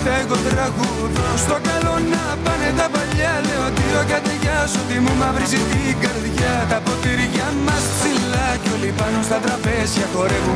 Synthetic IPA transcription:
t̪eɣot̪ɾɐɣu | ðost̪o̞kɐlo̞nɐ | pɐnet̪ɐpɐʎːɐleot̪iocɐt̪eʝɐsot̪imumɐvɾisit̪iɡɐɾðʝɐt̪ɐpot̪iɾʝɐmːɐst̪ilɐcolipɐnost̪ɐt̪ɾɐpezʝɐko̞ɾeku

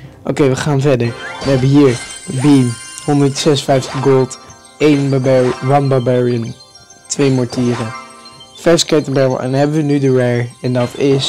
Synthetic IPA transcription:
ʔo̰kejʋəχaːnvɛɹdəɹʋəɦɛbəɦiːɹəbinhɔndəɹtsɛsfɛjftəχɡolˠt | ejnwɑnbabɛɹiən | tʋejmɔɹtiːɾəfɛɹskɛtənbɛəl̩ˠɛ̰̃nɦɛbəʋənydəɹɛɹɛndɑtɪs

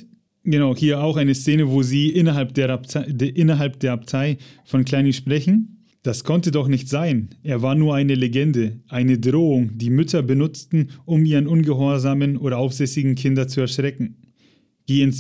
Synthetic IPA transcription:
ɡ̥ənaʊhiːɐaʊxʔaɪnəst͡seːnəvoːziːʔɪnɐɦalp̚d̥eːɐdʔɪnɐɦalp̚d̥eːɐaptʰaɪfɔnkl̥aɪnənʃpʁ̥ɛçn̩ | d̥askʰɔntədɔχnɪçtz̥aɪnʔeːɐvaːɐnuːɐʔaɪnəleɡɛndəʔaɪnədʁoːʊŋdiːmʏtʰɐbənʊt͡stn̩ʊmiːʁənʊnɡəɦɔɐzaːmənoːɾɐʔaʊfz̥ɛsɪɡŋ̩kʰɪndɐ̃nt͡suɛɐʃʁ̥ɛkŋ̩ | ɡ̥eːəns

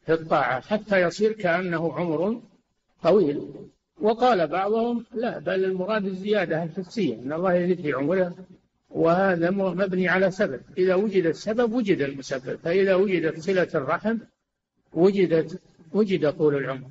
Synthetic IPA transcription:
fit̪ˤːɑːʕaħat̪ːajɑsˤiːɾkaʔanːahʊʕʊmɾ | t̪ˤɑwiːl | wɪqɑːlabɑʕðˤʊhʊmlaʔbalɪlmʊɾˤɑːd̪ɪzːɪjaːd̪aalħɪssɪjːa̰ʔɪnːɑlˤːɑːhjaziːd̪fiʕʊmɾa | wɪhaːðammabniʕalasabab̚ʔɪðawʊd͡ʒɪd̪asːababwʊd͡ʒɪd̪almʊsabːa̰bfaʔɪðawʊd͡ʒɪd̪at̪sˤɨlat̪rˤːɑħm | wʊd͡ʒɪd̪at̪ | wʊd͡ʒɪd̪at̪ˤuːlɪlʕʊmɾ

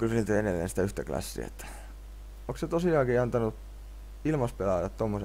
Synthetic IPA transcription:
kylsnt̪øenelːḛnsi̥t̪æyht̪æklɑ̰sːḭḛt̪ːæ̥ | okset̪osiɑːkiɑnt̪ɑnut̪ | ilmɑspelɑj̪ɑt̪t̪omːose

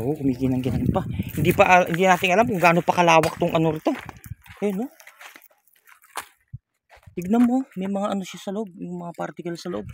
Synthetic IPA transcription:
ʔokʊmiːɡinɐŋɡɪnɐnpɐhɪnd̪ipɐʔɐhɪnd̪inaːt̪ɪŋʔɐlamkʊŋɡaːno̞pɐkɐlaːwɐk̚t̪ʊŋʔɐnoɾɪt̪o̞ʔɐjono | t̪ɪɡ̚nɐmo̞mɐjmɐŋaʔɐno̞ʃasɐloʔob̚mɛmɐŋapaɾt̪ɪkɐlasɐloʔo̞b̚

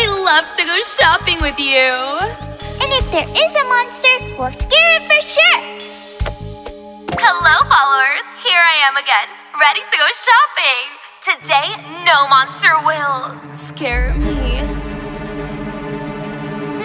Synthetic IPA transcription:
aɪlʌv̥tʰɨɡoʊʃɑpɪ̃ŋwɪðjʉ | ʔɨ̃nɨfðə˞ʔɪzəmɑ̃nstə˞wilˠskɛɹɪtfə˞ʃʊɹ | həloʊfɑlˠoʊʊə˞z̥hiɹaɪɨ̃mɨɡɛ̃n | ɹɛɾiɾɨɡoʊʃɑpɪ̃ŋ | tʰɨdeɪnoʊmɑ̃nstə˞wɪlˠ | skɛɹmi

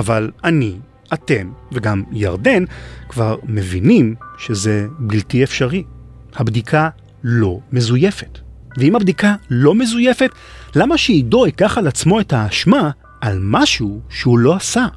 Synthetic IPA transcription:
avalani | ate̞mveɡamja̰ʁde̞nkvaʁmevinimʃeze̞biltiefʃaʁihabdikʰa | lo̞me̞zuje̞fet | veimabd̪ikalo̞me̞zuje̞fet | lamaʃeidoikaχalat͡smo̞e̞thaːʃmaː | lmaʃuʃeulo̞asa

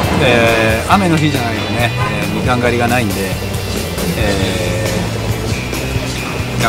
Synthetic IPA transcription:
eame̞no̞çiʑanaine̞ | mʲiɡãŋɡaɾʲiɡanaĩnd̪e̞ | e | ɡa

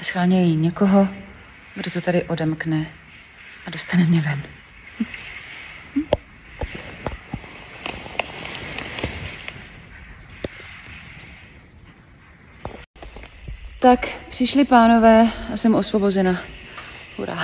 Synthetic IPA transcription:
sxaːɲɛjiɲɛkoɦo | ɡdot̪ot̪adɪʔo̞dɛmknɛ | ʔado̞st̪anɛmɲɛvɛn | t̪akpr̥ɪʃlɪpaːno̞vɛːasɛmʔo̞svo̞bo̞zɛna | hṵɾa̰

